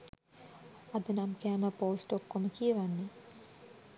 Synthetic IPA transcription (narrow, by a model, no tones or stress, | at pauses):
ad̪ənamkæːməpoːsʈokːoməkijəʋanːe